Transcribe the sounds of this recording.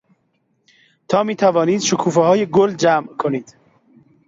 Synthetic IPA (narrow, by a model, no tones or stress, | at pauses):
t̪ʰɒːmiːt̪ʰævɒːniːd̪̥ʃokʰuːfehɒːjeɡold͡ʒæːmʔkʰoniːd̪̥